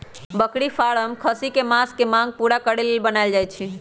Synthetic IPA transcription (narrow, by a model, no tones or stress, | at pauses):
bəkɽifʰaɭəmkʰəsikemãskemãɡ̚puɽakəɽelbənaɪld͡ʒajt͡ʃʰi